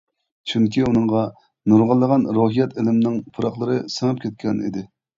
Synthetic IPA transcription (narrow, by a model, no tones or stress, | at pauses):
t͡ʃʰyŋkʲiunɨŋʁɑ | nuɾʁɑlˠːəʁɑnɾoɦijɛt̪ʰɪlɪmnɪŋpʰuɾɑχlˠəɾɨsɨŋɨp̚kʲʰɛt̪̚kʲʰɛnḭd̪ɪ